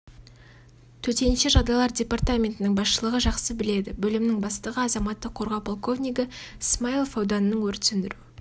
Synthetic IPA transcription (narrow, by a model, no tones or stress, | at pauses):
t̪ʰɵt̪e̞nʃeʒɑd̪ɑlˠɑɾdʲe̞part̪amʲe̞nt̪ɪnɪŋbɑsʃəlˠəʁəʒɑqsəbɪle̞d̪ɪbɵlɪmnɪŋbɑst̪əʁəɑzɑmɑt̪ːəqʰːo̞ɾʁɑwpʰolˠko̞vnʲijɡəsmailˠfowd̪ɑnənəɴwɵɾt̪sɪnd̪ɪɾu